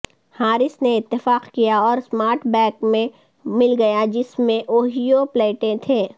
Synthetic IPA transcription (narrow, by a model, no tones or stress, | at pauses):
haːɾɪsneɪt̪ːɪfaːqkijaɔːɾsmaːɾʈbɛ̃ːkmẽ | mɪlɡɐjad͡ʒɪsmẽʔoːɦijopleːʈẽt̪ʰẽː